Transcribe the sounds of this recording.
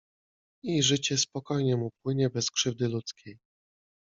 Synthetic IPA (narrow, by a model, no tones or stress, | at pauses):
iʐɘt͡ɕɛspɔkɔjɲɛmupwɘɲɛbɛskʂɘvd̪ɘlut̪skʲʰej